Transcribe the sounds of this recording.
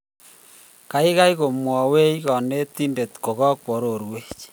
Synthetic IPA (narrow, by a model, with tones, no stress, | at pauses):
ka˨˦i˦ɣa˦i˦ɣo˨mwɔ˨we˦i˦ɣɔ˨ne˦ti˦nde˨tko˨ɣɔ˦kwo˨ɾo˨ɾwe˦t͡ʃ